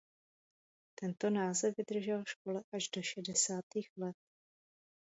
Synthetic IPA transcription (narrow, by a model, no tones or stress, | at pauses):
t̪ɛnt̪o̞naːzɛvvɪd̪r̩ʒɛlʃko̞lɛʔaʒdo̞ʃɛdɛsaːt̪iːxlɛt̪̚